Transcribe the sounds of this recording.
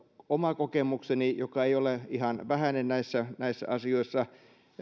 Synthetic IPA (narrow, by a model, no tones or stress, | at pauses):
omɑkokemuksenijokɑeioleihɑnʋæhænennæisːænæisːæ̰ʔɑsioisːɑ